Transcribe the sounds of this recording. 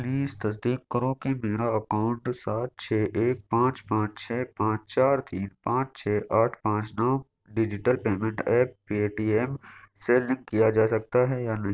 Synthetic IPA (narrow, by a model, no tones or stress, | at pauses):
liːst̪ɐs̬d̪iːkːəɾõkemeːɾaɐkaːʊ̃ɳʈsaːt̪̚t͡ʃʰɛːʔeːk̚pãːt͡ʃpãːt͡ʃt͡ʃʰɛːpãːt͡ʃt͡ʃaːɾt̪ʰiːnpãːt͡ʃt͡ʃʰɛːʔaːʈʰpãːt͡ʃnɔː | ɖɪd͡ʒɪʈəlpeːmẽɳʈɛːp̚ːieːʈiːɛmseːlɪ̃ŋɡ̚kijad͡ʒaːsɐk̚t̪aɦɛjanɐɦ